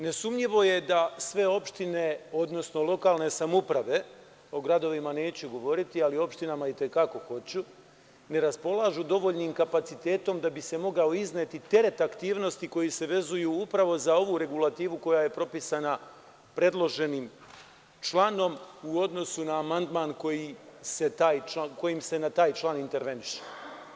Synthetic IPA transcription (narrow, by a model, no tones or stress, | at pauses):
ne̞sumʎiʋo̞je̞d̪asʋe̞o̞pʃt̪ine̞o̞d̪no̞sno̞lˠo̞kaːlne̞samupɾaʋe̞ | o̞ɡɾad̪o̞ʋimane̞ːt͡ɕuɡo̞ʋo̞ɾit̪ialio̞pʃt̪inamait̪e̞kako̞xo̞t͡ɕu | ne̞ɾaspo̞lˠaʒud̪o̞ʋo̞ʎniːmkapat̪sit̪e̞ːt̪o̞md̪abise̞mo̞ɡaoizneːt̪it̪e̞ɾe̞t̪akt̪iːʋno̞st̪iko̞jise̞ʋe̞zujuːupɾaʋo̞zao̞ʋuɾe̞ɡulat̪iːʋuko̞jaje̞pɾo̞pisana | pɾe̞d̪lo̞ʒe̞niːm | t͡ʃlˠano̞muo̞d̪no̞sunaːmand̪maːnko̞jise̞t̪aːjt͡ʃako̞jimse̞nat̪aːjt͡ʃlˠaːnint̪e̞ɾʋe̞niʃe̥